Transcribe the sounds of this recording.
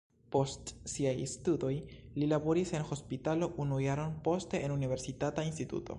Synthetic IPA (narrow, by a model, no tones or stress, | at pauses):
po̞stsiajstudo̞jlilabo̞ɾise̞nxo̞spitalo̞ʔunujaɾo̞npo̞ste̞ʔenunive̞ɾsitatainstitṵto̞̰